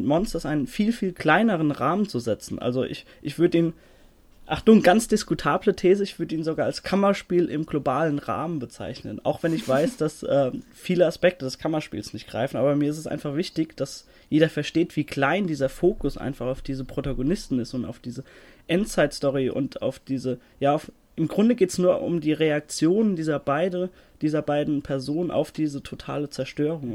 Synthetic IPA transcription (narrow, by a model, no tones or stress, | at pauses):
mɔnstɐɪsʔaɪnənfiːlfiːlkl̥aɪnəʁ̞ənʁaːmənt͡suzɛt͡sn̩ʔa̰lzoʔɪ̰ç | ʔɪçv̥ʏɐdəiːn | ʔaχd̥uːnɡ̥ant͡sd̥ɪskutʰaːblətʰeːzəɪçv̥ʏɐdəiːnzoɡaːalskʰamɐʃpiːlʔɪ̰mɡlobaːlənʁa̰ːmənbət͡sa̰ɪçnəna̰ʊxv̥ɛnɪçv̥aɪsd̥asʔɛː | fiːləaspɛk̚tədɛskʰamɐʃpḭːlsnɪçtɡ̥ʁa̰ɪfn̩ʔaːbɐmiːɐɪstɛsʔa̰ɪnfaχv̥ɪçtɪçd̥as | jeːdɐfɛɐʃteːtv̥iːklaɪndiːzɐfoːkʊsʔa̰ɪnfaχaʊfd̥iːzəpʁ̥otaɡonɪstn̩ɪstʊnta̰ʊfd̥iːzə | ʔɛntt͡saɪtstɔʁiʔʊ̰ntʰa̰ʊfd̥iːzə | jaːʊf | ʔɪmɡʁʊndəɡeːtsnuːɐʔʊ̰mdiːʁeak̚t͡sjoːnəndiːzɐbaɪdə | d̥iːzɐbaɪdn̩pʰɛɐzoːnənʔa̰ʊfd̥iːzətʰotʰa̰ːlət͡sɛɐʃtøːʁ̞ʊŋ